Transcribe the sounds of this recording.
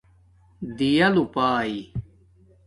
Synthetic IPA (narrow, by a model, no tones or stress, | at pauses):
d̪ijɐlupaːi